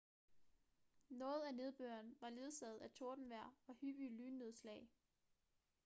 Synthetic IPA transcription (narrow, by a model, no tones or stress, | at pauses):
nɔ̽ːð̞̩ˠæne̝ð̞ˠb̥ø̰ːɐnʋɑ̈le̝ð̞ˠsɛð̩ˠæt͡sʰo̝ɐd̥n̩ʋæɐ̰ɑhyʋ̥ilyːnːe̝ð̞ˠslɛ̰ːɪ